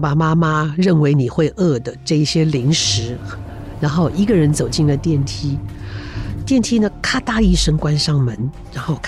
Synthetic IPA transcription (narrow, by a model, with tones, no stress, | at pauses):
pa˨˩ma˥ma˥ɻə˥˩nwe˧˥ɪni˨˩xwe˥˧ɪʔɤ˥˩d̪ə˩ʈ͡ʂɤ˥˧i˥˩ɕjɛ˥li˧˥ŋʂɻ̩˧˥ | ɻa˧˥nxo˥˩ʊʔi˧˥ɡə˧ɻə˧˥nt͡so˨˩ʊt͡ɕi˥˩nlə˩t̪jɛ˥˩nt̪ʰi˥ | t̪jɛ˥˩nt̪ʰi˥nə˨kʰa˥t̪a˥˧i˥˩ʂə˥ŋkwa˥nʂɑ˥˩ŋmə˧˥˦n | ɻa˧˥nxo˥˩ʊkʰ